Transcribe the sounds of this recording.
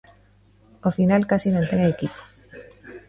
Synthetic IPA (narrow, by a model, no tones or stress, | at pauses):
ofinalkasinãnt̪eŋaekipo̥